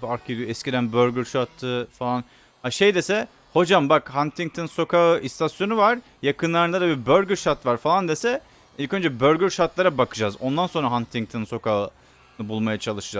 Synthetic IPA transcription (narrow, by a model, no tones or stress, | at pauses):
baɾkʰid̪ijoɛscid̪ænbøɾɡʲyɾʃaɾt̪ʰːɯfalˠan | haʃejd̪e̞sɛ | ho̞d͡ʒambakhant̪ʰiŋk̚t̪ʰɯnso̞kʰaɯʔist̪ʰasjo̞nuvaɾ̥ | jakʰɯnlˠaɾɯnad̪abibøɾʲɟʲyɾʃaɾt̪vaɾfalˠand̪e̞sɛ | ilʲcʰø̞nd͡ʒɛbø̞ɾɟʲyɾʃaɾt̪lˠaɾabakʰɯd͡ʒazo̞nd̪anso̞nɾaɦant̪ʰiŋt̪ʰɯnso̞kʰaɯ | nɯbulˠmajat͡ʃʰalˠɯʃɯd͡ʒa